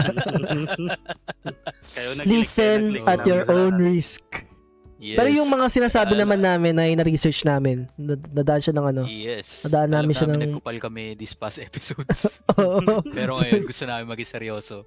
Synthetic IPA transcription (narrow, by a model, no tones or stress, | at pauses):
liːsɛnʔɐt̪joɹʔownɹisk̚ | pɛːɾojʊŋmɐŋasɪnaːsaːbɪnɐmanːaːmɪnːɐjnɐɾisɛɹt͡ʃnaːmɪnd̪ɐd̪aʔɐnʃanɐŋɐno̞jɛsɐd̪aʔɐnːaːmɪnʃanɐŋʊpɐlkɐmɛd̪ɪspasɛpɪ̥sod̪sʔoʔomɛɾoŋɐjoɡʊst̪onaːmɪnmɐɡisɛɾjoːso